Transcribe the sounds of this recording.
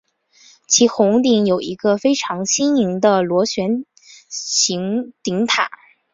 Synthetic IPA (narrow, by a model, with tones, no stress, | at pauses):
t͡ɕʰi˧˥xʊ˧˥ŋt̪i˧˩ŋjo˨˩ʊi˧˥ɡə˧fe˥ɪʈ͡ʂʰɑ˧˥ŋɕi˥ni˧˥ŋd̪ə˧lwɔ˧˥ɕɥɛ˧˥n | t͡ɕi˧˥ŋt̪i˧˥ŋt̪ʰa̰˨˩˦